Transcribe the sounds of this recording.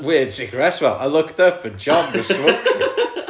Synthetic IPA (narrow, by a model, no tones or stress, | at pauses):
wɪd̥sɪɡ̥əɹɛswɛlˠʔa̰ɪlʊktəfəd͡ʒɔ̃nðəsɹʊk